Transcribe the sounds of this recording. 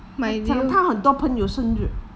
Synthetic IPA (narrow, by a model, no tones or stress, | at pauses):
maɑŋt̪ʰaxənt̪wɔpʰəŋjoʊʂənt͡ɕy